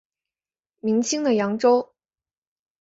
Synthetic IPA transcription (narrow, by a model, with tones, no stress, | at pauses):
mi˧˥ŋt͡ɕʰi˥ŋd̪ə˨jɑ˧˥ŋʈ͡ʂo˥ʊ